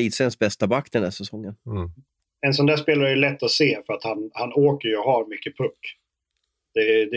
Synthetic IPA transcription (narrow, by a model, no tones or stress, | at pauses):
iːt̪sɛnsbɛst̪abakːd̪ɛnd̪æʂsɛsɔŋːən | ɛnsɔnd̪æːʂpeːlaɾəæjlɛt̪ːɔseːfœɾat̪hanhanoːkəɾjɔɦaɾmʏkːəpʰɵkː | d̪̥ɛd̪